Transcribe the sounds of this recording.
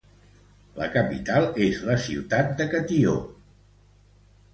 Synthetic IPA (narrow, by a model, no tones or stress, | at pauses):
lə̰kəpḭt̪alˠezləsḭwt̪at̪̚d̪əkət̪io̰